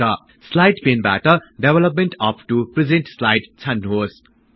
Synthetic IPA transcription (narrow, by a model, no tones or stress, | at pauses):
ʌ | slajɖpʰenba̰ʈʌɖebʱelʌp̬̚menʈʌpʰʈuprid͡zenʈslajɖt͡sʰanːuɦos